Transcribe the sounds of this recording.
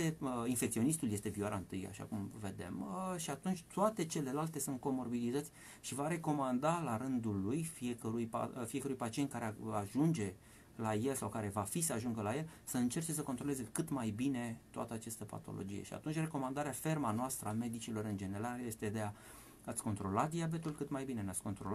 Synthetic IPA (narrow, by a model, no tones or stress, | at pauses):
einfek̚t̪io̞nist̪uljest̪e̞vioaɾaɨnt̪ɨja̰ʃa̰kumve̞d̪e̞̰mʃiat̪unt͡ʃʲt̪oat̪e̞t͡ʃe̞le̞lalt̪e̞sunt̪̚ko̞mo̞rbilit̪ət̪sʲ | ʃivaɾe̞ko̞mand̪alaɾɨnd̪ulːujfie̞kəɾujpa̰fiekəɾujpat͡ʃiet̪kaɾeaʒund͡ʒe̞ | laje̞lsawkaɾe̞vafisəaʒuŋɡəlaje̞lsəɨnt͡ʃe̞rt͡ʃe̞s̬əko̞nt̪ɾo̞leze̞kɨt̪majbine̞t̪oa̰t̪əat͡ʃest̪əpa̰t̪o̞̰lo̰d͡ʒije̞̰ʃia̰t̪unt͡ʃʲre̞ko̞mand̪aɾeafe̞rmanoast̪ɾəame̞d̪it͡ʃilo̞ɾɨnd͡ʒe̞ne̞ɾalje̞st̪e̞d̪e̞a | at̪sʲko̞nt̪ɾo̞lat̪̚d̪iabe̞t̪ulkɨt̪majbine̞neat̪sʲkont̪ɾola